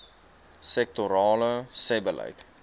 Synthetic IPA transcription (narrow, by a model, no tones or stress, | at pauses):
sɛk̚toɾɑːləsɛbələ̰jk